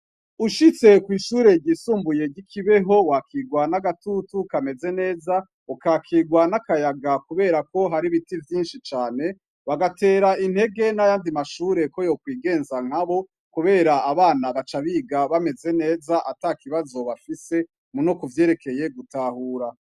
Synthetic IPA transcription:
uʃit͡se̞kwiːʃuːɾe̞ɟiːsuːmbuje̞ɟikʰiβe̞ɦo̞wakʰiɡwanaɡatutukame̞ze̞ne̞ːza | ukakʰiɡwanakajaɡakuβe̞ːɾako̞ɦaɾiβitivjiːnʃit͡ʃaːne̞ | βaɡate̞ːɾaʔinhe̞ɡe̞najaːndimaʃuːɾe̞ko̞jo̞kwiːɡe̞ːnzaŋ̥haβo | kuβe̞ːɾaːβaːnaβat͡ʃaβiːɡaβame̞ze̞ne̞ːzaʔatakiβazo̞βafise̞ | munokuvje̞ːɾe̞kʰe̞je̞ɡutahuːɾa

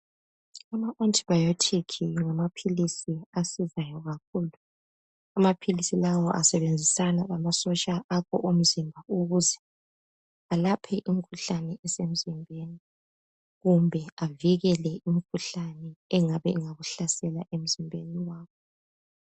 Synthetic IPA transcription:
amaʔontʼi̥bajɔtʰekʰijɔŋamapʰilisiasizajɔɣak̚ʰuːlu | amapʰilisilawɔʔasɛβend͡zʱisanaβamasɔt͡ʃʼaʔakʰɔʔum̩zimbʱauɣuzɛ | alapʰɛʔimikʰuɬanɛʔɛsem̩zimbʱeni | ɣumbʱɛaviɣɛlɛʔimikʰuɬanɛɛŋaβɛŋaɣuɬasɛlaʔem̩zimbʱeniwaːkɔ

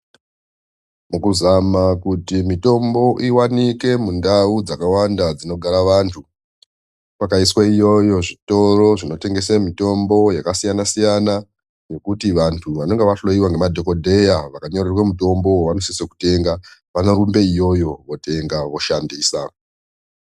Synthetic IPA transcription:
mukuzamakutimito̞mbo̞ʔiwanike̞mundaud͡zakawandad͡zino̞ɡʱaɾaʋantʰu | pakaiswaijo̞jo̞ʐito̞ro̞ʐino̞te̞ŋɡe̞semito̞mbo̞jakasijanasijana | no̞kutiʋantʰuʋano̞ŋɡeʋaɬlo̞jiwaŋɡe̞madʱo̞ko̞dʱe̞jaʋakaɲorerwamuto̞mbo̞ʋanosisoku̥te̞ŋɡaʋanoɾumbe̞ijo̞jo̞ʋo̞te̞ŋɡaʋo̞ʃandiːsa

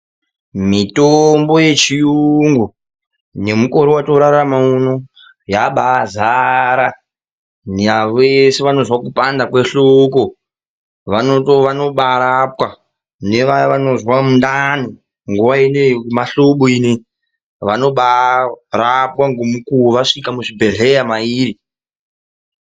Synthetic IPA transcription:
mitombo̞je̞t͡ʃijuŋɡu | ne̞muko̞ɾiwatoɾaɾamauno | jaɓazaɾa | neaʋeseʋano̞zwakupandakwe̞ɬoko | ʋanotoʋano̞ɓaɾapwa | ne̞ʋajʋano̞zwamundani | ŋɡuʋainemaɬoɓoine | ʋano̞ɓarapwaŋɡomukuuʋaʂikamuʐibʱe̞ɮe̞jamaiːɾi

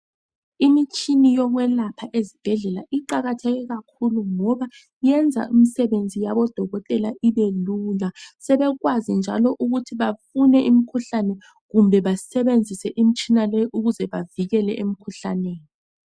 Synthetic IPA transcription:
imit͡ʃʰʼinijɔɣwɛlapʰaʔezib̥ʱɛɮɛlaʔiǃaɣatʰɛɣɛɣakʰuluŋɔβa | jɛnd͡zʱa̰ʔim̩sɛβend͡zʱijaβɔd̥ʱɔɣɔtʼɛlaʔiβeluːlasɛβɛɣwazind͡ʒʱalɔʔuɣutʰiβafunɛʔim̩kʰuɬanɛ | ɣumbʱɛβasɛβend͡zʱisɛʔim̩t͡ʃʼinalɛjʔuɣuzɛβaviɣɛlɛʔem̩kʰuɬaneːni

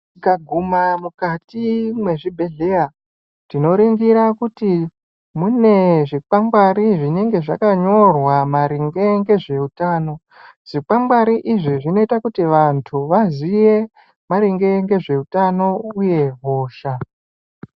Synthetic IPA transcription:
kaɡʱumamukatimwe̞ʐibʱe̞ɮe̞ja | tino̞ɾiŋɡiɾakuti | mune̞ʐik͡pambwaɾiʐine̞ŋɡe̞ʐakaɲo̞rwamaɾiŋɡe̞ŋɡe̞ʐe̞utaːno̞ | ʐ̥ik͡pambwaɾiʔiʐiʐino̞itakutiʋantʰuʋazije̞ | maɾiŋɡe̞ŋɡe̞ʐe̞utano̞uje̞ɦoːʃa

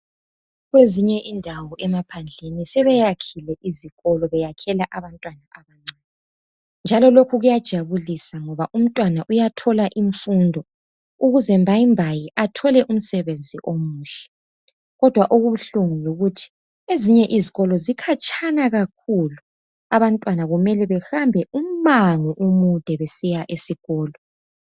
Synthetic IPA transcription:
ɣweziɲɛʔindʱawɔʔɛmapʰand͡ɮʱenisɛβɛjakʰilɛʔiziɣɔlɔβɛjakʰɛlaʔaβantʼwanaʔaβaŋ͡ǀaːɛ | nd͡ʒʱalɔlokʰuɣujad̥ʒ̥ʱaβulisaŋɔβaʔum̩tʼwanaʔujatʰɔlaʔiɱfundʱɔ | uɣuzɛmbʱajimbʱajiʔatʰɔlɛʔum̩sɛβend͡zʱiʔomuːɬɛ̥ | ɣɔd̥ʱwaʔuɣuβuɬuŋuluɣutʰi̥ | eziɲɛʔiziɣɔlɔzikʰat͡ʃʼʰanaɣakʰulu | aβantʼwanaɣumɛlɛβɛxambʱɛʔum̩maŋuʔumud̥ʱɛβesijaʔesiɣɔːlɔ

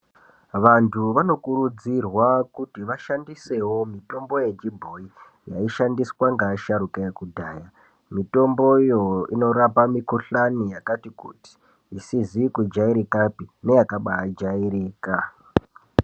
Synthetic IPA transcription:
ʋantʰuʋano̞kuɾud͡zirwakutiʋaʃandise̞ɦo̞mito̞mbo̞je̞t͡ʃibʱo̞i | ja̰iʃandiswaŋɡaaʃaɾukajekudʱaːja | mito̞mboijo̞ino̞ɾapamikuɬanijakatikṵti̥ | isizikud͡ʒaiɾikapinejakaɓaad͡ʒaiɾiːka

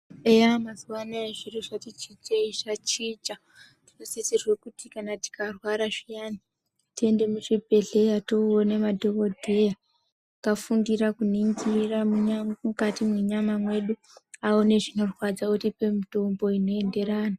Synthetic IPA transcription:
ejamazuwanaeʐiriʐatit͡ʃid͡ʒeiʐat͡ʃid͡ʒa | tinosesirwekutikanati̥karwaɾaʐijaːni | tie̞nde̞muʐibʱe̞ɮe̞jatoonemadʱoko̞dʱe̞ja | kafundirakuniŋɡiramuɲamukatimuɲamamwe̞ɗu | aone̞ʐino̞rwad͡zakutipemito̞mbo̞ino̞e̞nde̞raːna

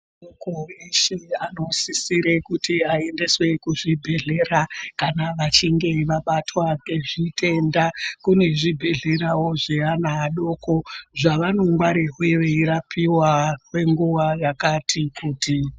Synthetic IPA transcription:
okoeʃeano̞sisiɾe̞kutiae̞nde̞swe̞kuʐibʱe̞ɮe̞rakanaʋat͡ʃiŋɡe̞ʋaɓatwaŋɡe̞ʐite̞ndakune̞ʐibʱe̞ɮe̞ɾawo̞ʐeanaːɗo̞ko̞ʐaʋano̞ŋɡwaɾeɦweʋeiɾapʰiwakwe̞ŋɡuʋajakatʰikuːti

